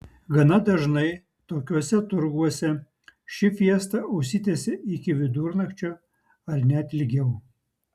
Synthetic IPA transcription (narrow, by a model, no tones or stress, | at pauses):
ɡɐnɐd̪ɐʒnɐɪ | t̪oːkʲuɔsʲɛt̪ʊɾɡuɔsʲɛ | ʃʲɪfʲiɛst̪ɐʊʃʲsʲɪt̪ʲeːsʲɪɪkʲɪʋʲɪd̪uːɾnɐxt͡ʃʲo | ɐɾnʲɛt̪ʲlʲɪɡʲɛʊ